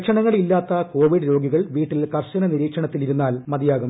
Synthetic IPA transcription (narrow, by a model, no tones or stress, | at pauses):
kʂɐɳɐŋːɐɭilːaːt̪ːɐko̞ːʋiɽɾo̞ːɡiɣɐɭʋiːʈːilkɐrɕɐnɐniɾiːkʂɐɳɐt̪ːiliɾunːaːlmɐd̪ijaːɣum